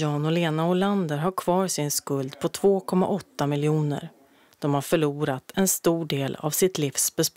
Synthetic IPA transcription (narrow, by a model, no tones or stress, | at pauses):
ɑːnɔleːnaʊland̪əɾɦaɾkʰvɑːɾsɪnskɵld̪pʰɔt̪ʰv̥oːkʰɔmːa̰ʔɔt̪ːamɪljuːnə̰ɾ | d̪̥ɔmhaɾfœɭuːɾat̪ʰɛnst̪uːɖeːla̰vsɪt̪liːfsb̥ɛsp